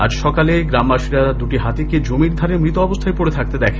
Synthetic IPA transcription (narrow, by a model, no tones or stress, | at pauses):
a̰d͡ʑʃɔkaleɡɾambaʃiɾad̪uʈiɦat̪eked͡ʑomiɾd̪ʱaɾemɾit̪oɔbost̪ʰaepoɽet̪ʰak̚t̪ed̪ɛkʰe